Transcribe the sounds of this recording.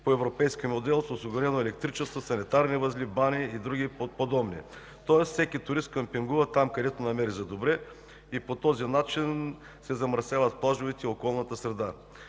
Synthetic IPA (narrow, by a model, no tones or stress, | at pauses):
poɛvɾopɛjskʲimod̪ɛlˠsosiɡʊɾɛnoɛlɛk̚t̪ɾit͡ʃɛst̪vosɐnit̪aɾnivɐzlʲibaniːd̪ɾuɡiopod̪ɔbnḭ | t̪ɔɛssɛkʲit̪ʊɾist̪̚kɐmpiŋɡuvɐt̪amkɐd̪ɛt̪onɐmɛɾizɐd̪obɾɛ | ipot̪ɔzinat͡ʃin | sɛzɐmɾɐsjavɐt̪̚plˠaʒovit̪ɛiokɔlˠnɐt̪əsɾɛd̪a